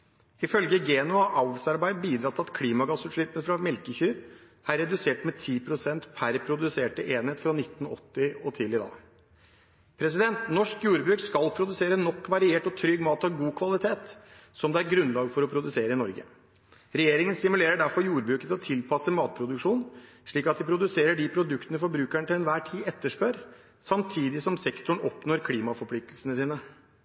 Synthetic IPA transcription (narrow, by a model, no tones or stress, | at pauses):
ɪfœlɡəɡeːnʊɑʔɑʊɡsɑɾbæɪd̪biːd̪ɾɑːt̪ʰːɪɑt̪kʰliːmɑɡɑsʉt̪ʂɭɪpːənfɾɑmɛlkəçyːɾ | æɾːɛd̪ʉseːʈmɛt̪ʰiːpʰɾʊsɛnt̪pʰæɾpʰɾʊd̪ʉseːʈəʔeːnheːt̪fɾɑnɪt̪ːn̩ɔ̰t̪ːɪɔt̪ʰɪlɪd̪ɑ̰ː | pʰɾɛs̬ɪd̪ɛnt̪nɔʂkjuːɾbɾʉːkskɑlpʰɾʊd̪ʉseːɾənɔkːʋɑɾɪeːʈɔt̪ʰɾʏɡmɑːt̪ɑʋɡuːkʰʋɑlɪt̪ʰeːt̪sɔmd̪ɛæɾɡɾʉnlɑːɡfɔɾɔpʰɾʊd̪ʉseːɾəɪnɔɾɡə̰ | ɾɛjeːɾɪŋənst̪ɪmʉleːɾəɖæɾfɔɾjuːɾbɾʉːkət̪ɔt̪ʰɪlpʰɑsəmɑːt̪̚pʰɾʊd̪ʉkʂuːn | ʂɭiːkɑt̪̚d̪ɪpʰɾʊd̪ʉseːɾəɖɪpʰɾʊd̪ʉkt̪ənəfɔɾbɾʉːkæɳət̪ɪlɛnʋæːʈʰiːɛt̪ːəʂpœɾ | sɑmt̪ʰiːd̪ɪsɔmsɛkt̪ʊɳ̩ɔpnoːɾkʰliːmɑfɔɾpʰlɪk̚t̪lsənəsiːnə